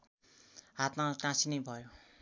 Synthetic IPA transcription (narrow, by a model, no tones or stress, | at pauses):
ɦat̪maʈãsinejbʱʌjo